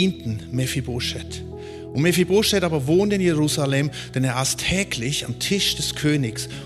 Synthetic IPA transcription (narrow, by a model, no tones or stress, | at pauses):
iːntn̩mɛfibʊʃɛt | ʊntmɛfibʁʊʃɛtaːbɐvoːntɪnjeʁuːzalɛm | d̥ɛneːɐɪstʰːɛːklɪçamtʰɪʃd̥ɛskʰøːnɪks